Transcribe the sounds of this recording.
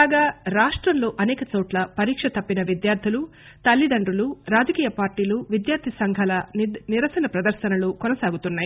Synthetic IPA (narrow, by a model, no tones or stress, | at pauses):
aːɡaːɾaːʂʈɾɐnloːʔɐnɛːkɐt͡ʃo̞ːʈlɐpɐɾiːkʂɐt̪ɐpːinɐʋid̪jaːɾd̪ʱilu | t̪ɐlːid̪ɐɳɖɾuluɾaːd͡ʒɐkiːjɐpaːɾʈiːluʋid̪jaːɾd̪ʰʱisɐŋɡʱɐlɐniɾɐsɐnɐpɾɐd̪ɐɾʃɐnɐlukɔnɐsaːɡut̪unːaːji